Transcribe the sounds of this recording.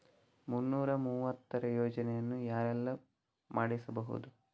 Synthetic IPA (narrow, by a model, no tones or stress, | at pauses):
munːuːɾɐmuːʋɐt̪ːɐɾɐjoːd͡ʒɐnɛjɐnːujaːɾɛlːɐ | maːɽisɐbɐɦṵd̪u